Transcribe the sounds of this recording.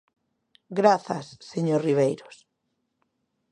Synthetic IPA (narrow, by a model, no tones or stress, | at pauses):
ɡɾaθasːeɲoriβ̞ejɾos